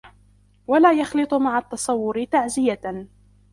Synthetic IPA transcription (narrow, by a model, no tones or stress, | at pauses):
walaːjɑxlɨt̪ˤʊmaʕat̪ːɑsˤɑwːʊɾɪt̪aʕzɪja